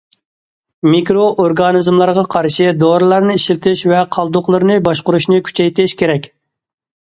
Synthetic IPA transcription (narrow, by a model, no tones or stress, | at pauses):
mikɾoʔoɾɡɑnɨzmlˠɑɾʁɑqʰɑɾʃɪd̪oɾɨlˠɑɾnɨiʃlt̪ʰɪʃvɛqʰɑlˠd̪ʊχlˠɨɾnɨbɑʃqʊɾuʃnɨkʲʰy̥t͡ʃʰɛjt̪ɪʃkʲʰeɾɛkʲ